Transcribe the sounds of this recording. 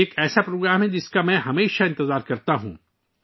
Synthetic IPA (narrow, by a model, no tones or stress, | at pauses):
eːkɛːsapɾoːɡɾaːmɦɛ̃d͡ʒɪskamɛ̃ɦɐmeːʃaɪ̃nt̪ɪzaːɾkɐɾt̪aɦṵ̃ː